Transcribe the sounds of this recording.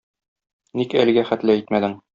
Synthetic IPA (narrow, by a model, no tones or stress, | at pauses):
nikælɘ̆ɡæχæt̪lɘit̪mæd̪ɘŋ